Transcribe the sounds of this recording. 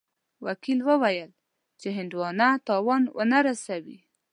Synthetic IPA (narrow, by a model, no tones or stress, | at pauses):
wakilwəwajəl | t͡ʃeɦɪnd̪wɑnat̪ɑwɑnwʔə̰naɾasawḭ